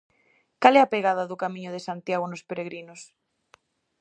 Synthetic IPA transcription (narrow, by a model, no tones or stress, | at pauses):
kalɛapeɣaðaðʊkamĩɲʊðesant̪jaɣ̞onospeɾeɣɾinos